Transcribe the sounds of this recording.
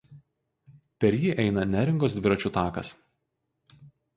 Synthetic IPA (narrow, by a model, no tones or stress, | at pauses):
pʲɛɾʲjiːʔɛɪnɐnʲæːɾʲɪŋɡoːs̬d̪ʲʋʲɪɾɐt͡ʃʲut̪ɑːkɐ̰s